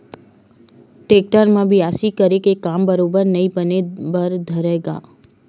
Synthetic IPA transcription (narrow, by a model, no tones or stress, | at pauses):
ʈeːk̚ʈəɾmãbʱiaːsikəɾekekaːmbəɾoːbəɾnəĩbənebəɾd̪ʱəɾeɡa̰ː